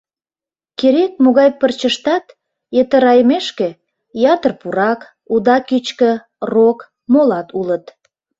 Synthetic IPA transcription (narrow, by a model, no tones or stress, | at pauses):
keɾek̪̚moɣɑjpərt͡ɕəʃt̪ɑt̪ | et̪ə̆ɾɑjmeʃkĕ | jɑt̪ərpuɾɑk | ud̪ɑkyt͡ɕkə̆ | rok | molɑt̪ulət̪